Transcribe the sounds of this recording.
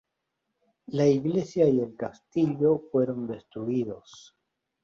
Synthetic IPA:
laiɡle̞sjaie̞lkast̪iʎo̞fwe̞ɾo̞nd̪e̞st̪ɾuiðo̞s

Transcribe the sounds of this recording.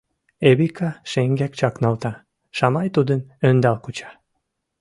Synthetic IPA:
eβikɑʃeŋɡæk̚t͡ɕɑknɑlt̪ɑ | ʃɑmɑjt̪ud̪ənønd̪ɑlkut͡ɕɑ̥

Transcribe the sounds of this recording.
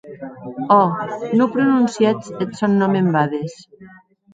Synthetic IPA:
ɔnopɾonunsjat͡set̪sonːɔmembaðes

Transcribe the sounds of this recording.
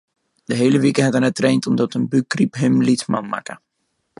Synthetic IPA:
d̥əɦejləʋikəɦɛtənətrɛjntɔmdɔtənbykripɦɪmlitma̰nma̰kə

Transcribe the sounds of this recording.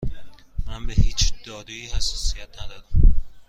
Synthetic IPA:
mænbehiːt͡ʃʰd̪̥ɒːd̪uiːhæsːɒːsijæt̪ʰnæd̪ɒːd̪æm

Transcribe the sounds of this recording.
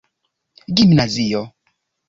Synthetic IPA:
ɡimnaziɔ

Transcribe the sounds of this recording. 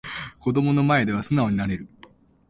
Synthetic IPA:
ko̞d̪o̞mo̞no̞mae̞d̪e̞β̞asɨnao̞ɲ̟inaɾe̞ɾɯ̟

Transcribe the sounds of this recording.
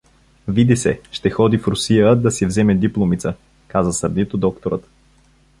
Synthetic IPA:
vid̪isɛ̰ʃt̪ɛxɔd̪ifɾʊsijəd̪ɐsɛvzɛmɛd̪iplˠomit̪sə | kazəsəɾd̪it̪od̪ɔkt̪oɾət̪

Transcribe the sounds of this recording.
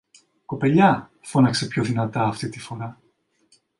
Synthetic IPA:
ko̞pe̞ʎɐ | fo̞nɐkse̞pçoðinɐt̪ɐːft̪it̪ifo̞ɾɐ

